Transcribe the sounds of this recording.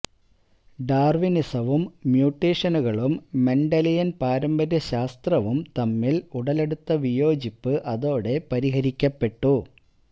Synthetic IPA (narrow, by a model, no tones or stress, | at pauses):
ɖaːrʋinisɐʋumːjuːʈːeːʂɐnuɣɐɭumːe̞ɳɖɐlijɐnpaːɾɐmbɐɾjɐɕaːst̪rɐʋumt̪ɐmːiluɽɐle̞ɽut̪ːɐʋijo̞ːd͡ʑipːɨʔɐðo̞ːɽe̞pɐɾiɦɐɾikʲːɐpːe̞ʈːu